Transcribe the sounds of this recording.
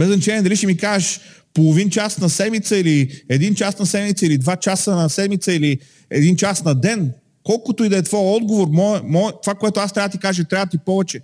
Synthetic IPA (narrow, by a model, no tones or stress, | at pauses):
bɛznɐt͡ʃɛnʲiɛd̪ɐliʃɛmikaʒəʃ | polˠovint͡ʃasnɐsɛd̪mit̪səiliɛd̪int͡ʃasnɐsɛd̪mit̪səilid̪vat͡ʃasənɐsɛd̪mit̪səili | ɛd̪int͡ʃasnɐd̪ɛn | kɔlˠkot̪oid̪ɛɛt̪vɔɛɔd̪ɡovoɾmɔɛmɔɛt̪ovakoɛt̪oast̪ɾavɐd̪ət̪ikaʒət̪ɾʲavt̪ipɔvɛt͡ʃɛ